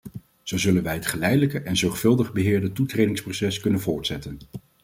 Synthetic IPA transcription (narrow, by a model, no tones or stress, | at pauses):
z̥owzɵlənʋɛjɦətχəlɛjdələkəʔɛnzɔɹχfɵlˠdəχbəɦɪːɹdətutrejdɪŋsprosɛskɵnənvʊːɹtsɛtən